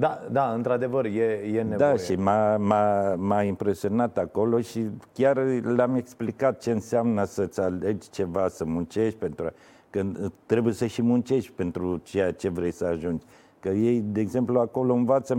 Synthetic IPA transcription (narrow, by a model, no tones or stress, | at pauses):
d̪ad̪aɨnt̪ɾad̪e̞vərjejened̪ajʃimamamaimpɾe̞sio̞nat̪ako̞lo̞ʃikʲarlame̞ksplikat̪̚t͡ʃe̞ɨnseamnəsət̪sale̞d͡ʒʲt͡ʃe̞vasəmunt͡ʃe̞ʃʲpe̞nt̪ɾua | kət̪ɾe̞bujesəʃimunt͡ʃe̞ʃʲpe̞nt̪ɾut͡ʃe̞jat͡ʃe̞vɾe̞jsəaʒund͡ʒʲ | kəje̞jd̪e̞ːɡze̞mpluako̞lo̞ɨnvat̪sə